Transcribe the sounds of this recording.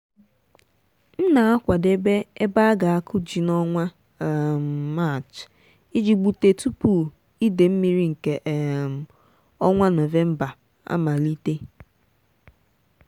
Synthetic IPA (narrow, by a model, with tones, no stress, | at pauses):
n̩˦na˨a˦kʷa˨de˦be˦e˦ba˦a˦ɡa˨a˦kʰʊ˦d͡ʒi˨nɔ˦ŋʷa˦˨ | m˨ma˦˨t͡ʃ | i˦d͡ʒi˨ɡ͡bu˨te˨tu˦pu˨ | i˦de˨m̩˦mi˨ɾi˦ŋ̩˨ke˨ʔm̩˨ | ɔ˦ŋʷa˦no˨ve˦m̩˦ba˨ | a̰˦ma˨li˦te˦